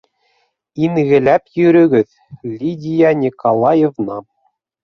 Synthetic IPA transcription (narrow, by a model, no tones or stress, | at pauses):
inɣɘ̆lʲæpʲjyɾʲɘ̆ɡʲɘ̆ð | lʲidʲijɑnʲikolˠɑjevnɑ